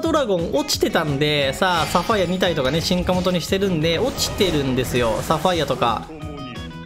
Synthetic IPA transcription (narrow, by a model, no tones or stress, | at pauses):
d̪o̞ɾaɡõ̞ɴo̞t͡ɕi̥t̪e̞t̪ãnd̪e̞saːsaɸajaɲ̟it̪̬ait̪o̞kane̞ɕĩŋkamo̞t̪o̞ɲ̟iɕi̥t̪e̞ɾɯ̟̃nd̪e̞ʔo̞t͡ɕi̥t̪e̞ɾɯ̟̃nd̪e̞sɨjo̞̰saɸaijat̪o̞ka̰